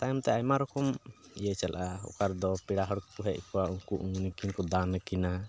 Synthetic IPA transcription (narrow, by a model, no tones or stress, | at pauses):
t̪ajɔmt̪ɛajmaɾɔkɔmijət͡ʃalʔaɔ̰kaɾd̪ɔpiɽaɦɔɾk̚puɦɛʔkɔwauŋkuʔuŋnikinkɔd̪ankina